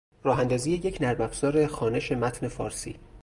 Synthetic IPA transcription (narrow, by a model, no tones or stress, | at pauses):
ɾɒːɦænd̪ɒːziːje̞je̞cʰnæɾbæbz̥ɒːɾe̞xɒːne̞ʃe̞mæt̪ʰne̞fɒːɾsḭː